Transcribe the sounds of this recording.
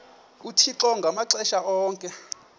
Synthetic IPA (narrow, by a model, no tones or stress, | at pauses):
utʰiǁɔŋɡʱamaǀɛʃaɔːŋkʼɛ